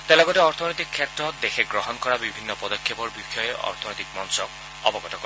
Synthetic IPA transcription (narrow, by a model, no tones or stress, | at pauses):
t̪elɔɡɔteɔɾt̪ʰɔnɔjt̪ikʰːjetɾɔt̚d̪exʰeɡɾɔɦɔnkɔɾabibʱinːɔpɔd̪ɔkʰjepɔɹbixɔjeʔɔ̰ɾt̪ʰɔnɔjt̪ikmɔnsɔk̚ | ɔbɔɡɔtɔkɔ